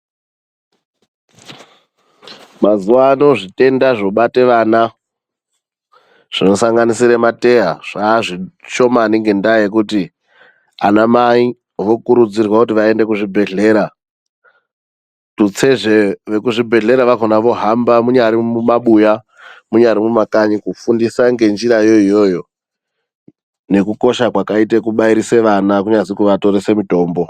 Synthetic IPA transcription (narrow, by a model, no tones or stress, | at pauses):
mazuʋano̞ʐite̞ndaʐoɓateʋana | ʐ̥ino̞saŋɡanisiɾemate̞ɦaʐ̥aʐiʃo̞maniŋɡe̞ndajekuti | anamai | ʋo̞kuɾud͡zirwakutiʋae̞nde̞kuʐibʱe̞ɮe̞ːɾa | tut͡se̞ʐeʋe̞kuʐibʱe̞ɮe̞ɾaʋakonaʋo̞ɦambamuɲaɾimumaɓuja | muɲaɾimumakaɲikufundisaŋɡe̞nd͡ʒiɾajo̞ijo̞jo̞ | nekuko̞ʃakwakaitekuɓaiɾise̞ʋanak̬uɲad͡zikuʋato̞ɾese̞mito̞ːmbo̞